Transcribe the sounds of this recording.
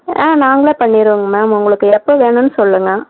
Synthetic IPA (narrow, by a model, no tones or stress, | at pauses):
ẽːnaːŋɡɐɭeːpɐɳːɪɾɯʋɯŋɡɐmaːmʊŋɡɐɭɯkːɯɛpːoʋeːɳʊnːɯsɔlːɯŋɡɐ